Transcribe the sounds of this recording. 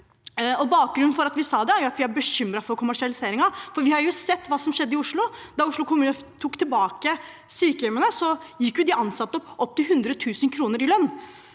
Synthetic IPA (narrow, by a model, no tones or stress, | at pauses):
ɔbɑːk̚ɡɾʉnn̩fɔɾɑt̪ʋɪsɑːd̪ɛæɾjʊɑt̪ʋɪæɾbəɕʏmɾɑfɔɾkʰʊmæʂɪɑlɪseːɾɪŋɑfɔɾʋɪhɑɾjʊsɛt̪ːʋɑːsɔmʂɛd̪ːəɪʊʂɭʊd̪ɑʊʂɭʊkʰʊmʉːnə | t̪ʰuːkt̪ʰɪlbɑːkə | syːkəjɛmənəsɔjɪkːjʊd̪ɪɑnsɑt̪ːəɔpːʔɔp̚ːt̪ʰɪlɦʉnd̪ɾət̪ʰʉːsənkʰɾuːnəɾɪlœnː